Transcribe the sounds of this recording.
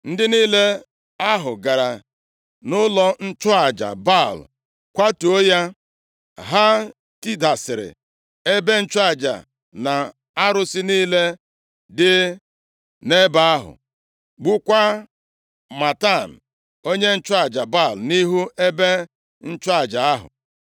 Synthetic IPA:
n̩˦dɪ˦niː˦le˦ | a˦ɦʊ˨ɡa˨ɾa˨ | nʊ˦lɔ˦n̩˦t͡ʃʊ˦a˨d͡ʒa̰˨ba˦˨l̰ | kʷa˦tu˨o˦ja˦ | ɦa˦ | ti˦da˨sɪ˨ɾɪ̰˨ | e˦be˦n̩˦t͡ʃʊ˦a˨d͡ʒa̰˨ | na˨ | a˦ɾʊ˦sɪ˦niː˦le˦ | dɪ˦ | ne˦ba˦a˦ɦʊ̰˨ | ɡ͡bʊ˦kʷa˦ | ma˨ta˦˨n̩˨ | o˦ɲe˦n̩˦t͡ʃʊ˦a˨d͡ʒa˨ba˦˨lni˦ɦu˦e˦be˦ | n̩˦t͡ʃʊ˦a˨d͡ʒa˨a˦ɦʊ̰˨

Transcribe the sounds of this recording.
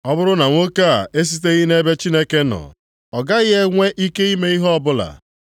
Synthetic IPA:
ɔ˦bʊ˦ɾʊ˦na˨ŋʷo˦ka˦a˨e˦s̬i˦t̬e˦ɣi˦ne˦be˦t͡ʃi˦ne˦ke˦nɔ̰˨ | ɔ˨ɡa˦ɣɪ˦e˦ŋʷe˦ʔi˦ke˦i˦me˦i˦ɦɔ˦ɔ˦bʊ˦la̰˨

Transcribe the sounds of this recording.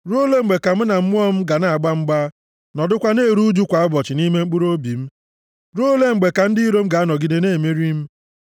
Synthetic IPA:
ɾo˦le˦ŋ͡m̩˨ɡ͡be˨ka˨m̩˦na˨m̩˦m˦ɔ˦m̩˦ɡa˨na˨a˨ɡ͡ba˦ŋ͡m̩˦ɡ͡ba˦ | nɔ˨dʊ˦kʷa˦ne˦˨ɾu˦d͡ʒu˦kʷa˨˦a˦bɔ˨t͡ʃɪ˨ni˦me˦ŋ͡m̩˦k͡pu˦ɾo˦bi˨m̩˦ | ɾo˦le˦ŋ͡m̩˨ɡ͡be˨ka˨n̩˦dɪ˦i˦ɾo˦m̩˦ɡa˨a˦nɔ˨ɡi˨de˨neː˦˨me˦ɾi˦m̩˦

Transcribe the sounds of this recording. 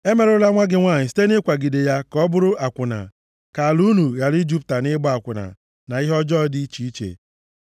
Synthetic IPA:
e˦me˨ɾʊ˦la˦ŋʷa˦ɡɪ˦ŋʷaː˦˨ɲɪ˨si̥˦te˦nɪ˦kʷa˨ɡi˨de˨ja˦kɔ˦bʊ˦ɾʊ˦ʔa˨kʷʊ˨na̰˨ | ka˨a˨lu˦nu˨ɣa˨li˦d͡ʒu˦p̚ta˨nɪ˦bɔ˦a˨kʷʊ˨na̰˨ | na˨ɪ˦ɦɔ˦d͡ʒɔ˦di˦t͡ʃi˨i˦t͡ʃḛ˨

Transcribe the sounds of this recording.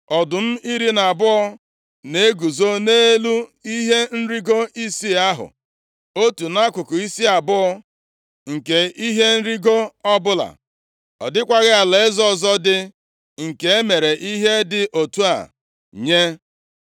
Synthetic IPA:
ɔ˨dʊ˨m̩˦i˦ɾi˦na˨bʊ˦ɔ˦ | ne˦ɡu˨zo˦ne˦lu˦i˦ɦe˦n̩˦ɾi˦ɡo˦i˦si˦a˦ɦʊ̰˨ | o˦tu˨na˦kʷʊ˨kʊ˨i˦si˦a˨bʊ˦ɔ˦ | ŋ̩˨ke˨i˦ɦe˦n̩˦ɾi˦ɡo˦ɔ˦bʊ˦la̰˨ | ɔ̰˨dɪ˦kʷa˦ɣɪ˦a˨le˨ɪ˦zɔ˦˨zɔ˦dɪ˦ | ŋ̩˨ke˨e˦me˨ɾe˨ʔi˦ɦe˦dɪ˨ʔo˨tu˦a̰˨ | ɲe˦

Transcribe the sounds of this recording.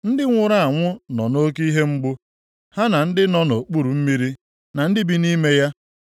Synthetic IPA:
n̩˦dɪ˦ŋʷʊ˨ɾa˦˨a˨ŋʷʊ˦nɔ˨no˦ki˦ɦe˦ŋ͡m̩˦ɡ͡bʊ˦ | ha˦na˨n̩˦dɪ˦nɔ˦no˨k͡pu˦ɾu˨m̩˦mi˦ɾi˦ | na˨n̩˦dɪ˦bi˦ni˦me˦ja˦

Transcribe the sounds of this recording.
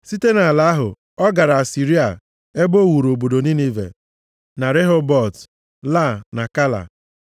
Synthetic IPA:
si˦te˦na˨a˨la˦ɦʊ̰˨ | ɔ˦ɡa˨ɾa˨a˨si˨ɾi˦a̰˨ | e˦ɡ͡bo˦˨wu˨ɾo˨bo˨do˨ni˦ni˦vḛ˨ | na˨ɾe˦ɦɔ˦bɔ˦˨t | la˦˨na˨ka˦la̰˨

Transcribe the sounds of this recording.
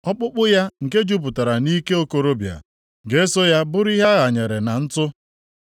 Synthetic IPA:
ɔ˦k͡pʊ˦k͡pʊ˦ja˦ŋ̩˨ke˦d͡ʒu˦p̬ʊ˨ta˨ɾa˨ni˦ke˦o˦ko˨ɾo˦bja̰˨ | ɡe˦so˦ja˦bʊ˦ɾi˦ɦa˦ɣa˨ɲe˨ɾe˨na˨n̩˦tʊ˦

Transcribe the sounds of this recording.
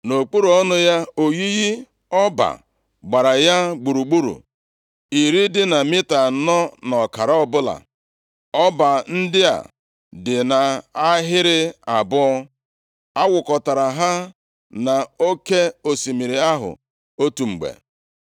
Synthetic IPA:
no˨k͡pu˦ɾu˨ɔ˦nʊ˦ja˦o˨ɣi˦ɣi˦ | ɔ˦ba̰˨ | ɡ͡ba˨ɾa˨ja˦ɡ͡bu˨ɾu˨ɡ͡bu˦ɾṵ˨ | i˨ɾi˦dɪ˦na˨mɪ˦ta˨˦nɔ˦nɔ˨ka˨ɾa˦ɔ˦bʊ˦la̰˨ | ɔ˦ba˨n̩˦dɪ˦a̰˨ | dɪ˨na˨a˦ɦɪ˦ɾɪ˦a˨bʊ˦ɔ˦ | a˦wʊ˨kɔ˨ta˨ɾa˨ɦa˦ | na˨o˦ke˦o˨si˨mi˨ɾi˨a˦ɦʊ̰˨ | o˦tu˨ŋ͡m̩˨ɡ͡bḛ˨

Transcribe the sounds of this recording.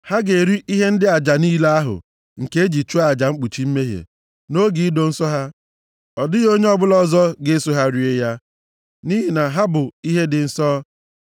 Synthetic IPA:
ha˦ɡe˨ɾi˦ʔi˦ɦe˦n̩˦dɪ˦a˨d͡ʒa˨niː˦la˦a˦ɦʊ̰˨ | ŋ̩˨ke˦e˦d͡ʒi˨t͡ʃu˦a˦˨d͡ʒa˨ŋ͡m̩˦k͡pu˨t͡ʃi˦m̩˦me˦ɦḛ˨ | no˦ɡi˨˦i˦do˨n̩˦sɔ˦ɦa˦ | ɔ˨dɪ˦jo˦ɲe˦ɔ˦bʊ˦lɔ˦zɔ˦ɡe˦so˦ɦa˦ɾi˨e˦ja˦ | ni˦ɦi˨na˨ɦa˦bʊ˨i˦ɦe˦dɪ˨n̩˨sɔ˦

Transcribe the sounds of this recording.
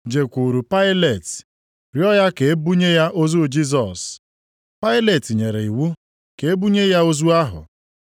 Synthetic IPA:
d͡ʒe˨kʷu˨ɾu˨pa˦ɪ˦le˨t | ɾjɔ˦ja˦ke˨e˦bu˦ɲe˦ja˦ʔo˦zu˦˨d͡ʒi˦z̬ɔ˨s | pa˦ɪ˦le˨ti˨ɲe˨ɾe˨i˨wu˦ | ke˨e˦bu˦ɲe˦ja˦o˦zu˦a˦ɦʊ̰˨

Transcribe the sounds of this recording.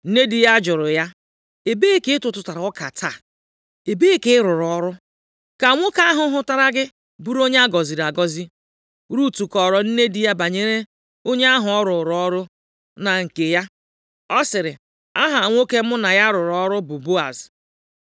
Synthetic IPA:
n̩˦ne˦di˦ja˦d͡ʒʊ˨ɾʊ˨ja˦ | e˨be˦e˦ke˦ɪ˦tʊ˨tʊ˨ta˨ɾa˨ɔ˦ka˨tʰa˦˨ | e˨be˦ke˦ɪ˦ɾʊ˨ɾɔ˨˦ɾʊ˦ | ka˨ŋʷʊ˦ka˦a˦ɦʊ˦ɦʊ˦ta˦ɾa˦ɡɪ˦ | bu˦ɾo˦ɲe˦a˦ɡɔ˨zi˨ɾa˨ɡɔ˦zi˦ | ɾu˦tu˨kɔ˨ɾɔ˨n̩˦ne˦di˦ja˦ba˨ɲe˦ɾe˦ | o˦ɲe˦a˦ɦʊ˨ɔ˦ɾʊ˨ɾɔ˦ɾʊ˦ | na˨ŋ̩˨ke˨ja˦ | ɔ˦sɪ˨ɾɪ˨ | a˦ɦa˨ŋʷ˦o˦ke˦mʊ˦na˨ja˦ɾʊ˨ɾɔ˦ɾʊ˦bʊ˨bo˦a̰˨z

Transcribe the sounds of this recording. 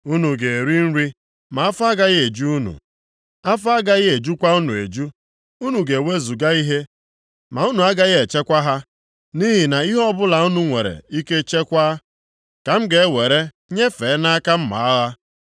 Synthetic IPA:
u˦nu˨ɡe˨e˨ɾi˦n̩˦ɾi˦ | ma˨a˦fʊ˦a˦ɡa˦ɣɪ˦e˨d͡ʒu˦u˦nṵ˨ | a˦fa˦ɡa˦ɣɪ˦e˨d͡ʒu˦kʷa˦u˦nu˨ḛ˨d͡ʒu˦ | u˦nu˨ɡe˨we˦zu˨ɡa˦i˦ɦe˦ | ma˨u˦nu˨a˦ɡa˦ɣɪ˦e˨t͡ʃe˦kʷa˦ɦa˦ | ni˦ɦi˨na˨i˦ɦɔ˦bʊ˦la˨u˦nu˦ŋʷe˨ɾḛ˨i˦ke˦t͡ʃe˦kʷa˦ | ka˨m̩˦ɡe˨˦we˨ɾe˦ | ɲe˦fe˨˦na˦ka˦m̩˦ma̰˨a˦ɣa˦

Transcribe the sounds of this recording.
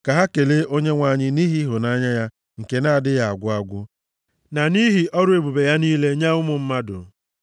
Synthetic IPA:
ka˨ɦa˦ke˨le˦ʔo˦ɲe˦ŋʷa˦˨ɲɪ˦ni˦ɦi˦ɦʊ˨na˦ɲa˦ja˦ | ŋ̩˨ke˨na˦˨dɪ˦ja˨a̰˨ɡʷʊ˦a˦ɡʷʊ˦ | na˨ni˦ɦi˨ʔɔ˦ɾʊ˦e˨bu˨be˨ja˦niː˦le˦ɲa˦ʊ˦mʊ˨m̩˦ma˦dʊ̰˨

